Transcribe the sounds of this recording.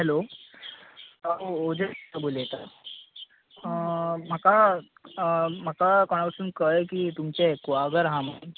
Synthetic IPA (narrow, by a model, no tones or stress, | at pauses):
ɦɛlo | taod͡ʑətabolet̪a | m̤aka | m̤akakɔɽ̃awʈsuːnkəjkiːt̪umt͡ɕeekʋaɡəɾɦama